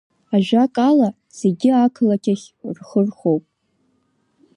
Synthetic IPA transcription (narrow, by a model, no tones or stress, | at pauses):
aʒᶣakʼala | z̥eɡʲɪakʰlakʲʰaχʲrχərχowpʼ